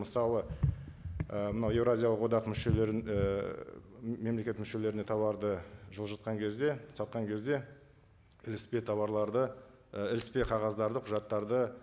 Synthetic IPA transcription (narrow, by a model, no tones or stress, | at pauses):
məsɑlˠə | əmənɑwe̞vɾazʲijalˠəqwo̞d̪ɑqmʏʃe̞leɾ | me̞mle̞kʲe̞t̪mʏʃe̞le̞ɾɪne̞t̪ʰɑβɑɾd̪əʒəlˠʒɑt̪̚qɑŋkʲʰe̞zd̪e̞sɑt̪̚qɑŋkʲʰe̞zd̪e̞ | ɪlɪspe̞t̪ʰɑβɑɾlˠɑɾd̪ə | ɪlɪspe̞qʰɑʁɑzd̪ɑɾd̪əqʰʊʒɑt̪ːɑɾd̪ə